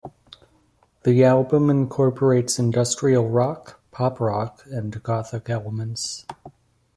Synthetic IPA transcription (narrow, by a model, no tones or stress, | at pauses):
ðiælˠbə̃mɨ̃nkʰɔɹpʰə˞eɪtsɨ̃ndʌstɹ̥il̩ˠɹɑkpʰɑpɹɑkɨ̃nɡɑθɨkɛlˠəmɨ̃nts